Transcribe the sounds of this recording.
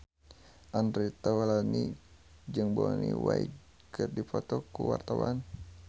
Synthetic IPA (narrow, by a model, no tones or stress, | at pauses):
ʔandɾit̪awalani | d͡ʒɨŋbɔnḭwai | kɨrdipɔt̪ɔkuwa̰rt̪awan